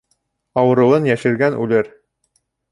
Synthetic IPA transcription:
ɑwɤ̆ɾɤ̆wɤnjæʃɘ̆ɾɡænʉ̰lɘɾ

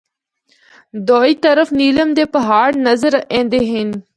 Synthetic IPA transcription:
d̪oːiːt̪əɾəfniːləmd̪eːpəɦaːɽnəzəɾẽːnd̪eːɦɪn

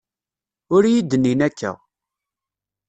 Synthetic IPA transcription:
ʊɾjid̪ːənːinækʰːæ̰

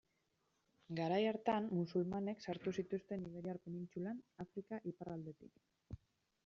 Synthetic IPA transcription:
ɡaɾajaɾt̪anmusulmane̞ksaɾt̪usit̪ust̪e̞niɣeɾiaɾpe̞nint͡sulanafɾikaʔiparald̪e̞t̪ik

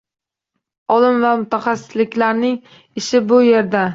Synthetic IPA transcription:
ɒlɪmvamʊt̪ʰaχasːɪ̥slɪkʲlaɾnɪŋ | ɪʃɪbʊje̞ɾd̪a

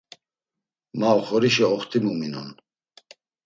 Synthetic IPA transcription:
maɔχɔɾiʃɛɔχt̪ʰimuminɔ̰n

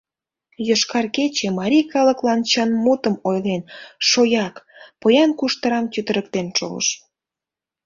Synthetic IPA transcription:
joʃkɑrket͡ɕemɑɾʲijkɑləklɑnt͡ɕənmut̪əmojlenʃojɑkpojɑnkuʃt̪əɾɑmt̪ʲyt̪əɾək̚t̪enʃo̰mə̰ʃ

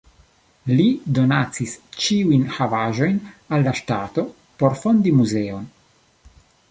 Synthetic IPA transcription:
lido̞nat͡sist͡ʃiujnhavaʒo̞jnalːaʃtato̞ | po̞ɾfo̞ndimuzeo̞n

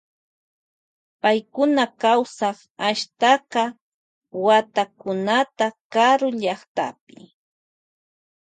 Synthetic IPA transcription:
pajkʊnakawsɑχ | aʃt̪ɑqɑ | wat̪akʊnat̪akaɾʊʎɑχt̪a̰pɪ̥̰

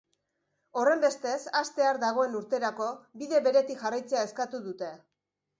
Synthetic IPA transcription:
o̞re̞mbe̞st̪e̞sast̪e̞aɾd̪aɣ̞o̞e̞nuɾt̪e̞ɾako̞biðe̞βe̞ɾe̞t̪ikʝarajt͡se̞ae̞skat̪uðut̪e̞

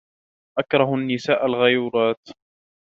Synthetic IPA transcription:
ʔakɾˤɑɦanːɪsaːʔalɣajuːɾˤɑːt̪

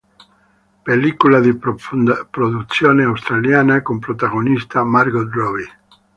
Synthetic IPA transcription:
pelikulad̪i | pɾoðut̪sjoneawst̪ɾaljanakompɾot̪aɣonist̪amaɾɡod̪roβi

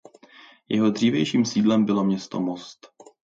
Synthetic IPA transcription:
jɛɦo̞d̪r̝iːvjɛjʃiːmsiːdlɛmbɪlo̞mɲɛst̪omost̪

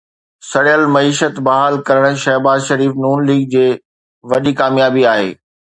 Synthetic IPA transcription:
sɐɽjəlmɐiːʃət̪bɐɦaːlkɐɾəɽ̃ʃɛːɦbaːzʃɐɾiːfnuːnliːɡ̚d͡ʑeː | ʋɐɗikaːmjaːbiaːɦḛː

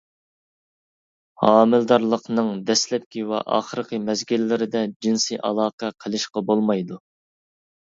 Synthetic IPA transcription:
hɑːmɪld̪ɑɾlˠəqnɨŋd̪ɛslɛp̚kʲiwɛ̰ʔɑ̰ːχəɾqəmɛzɡʲilːɪɾɪd̪ɛd͡ʒinsiʔɑ̰lˠɑːqʰɑqʰəlˠɨʃqɑbolˠmɑjd̪u

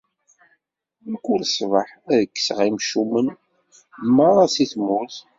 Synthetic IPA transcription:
məkːulsˤvəħæðəkːə̥sʁimʃumən | mːəɾˤɑsiθmuθ

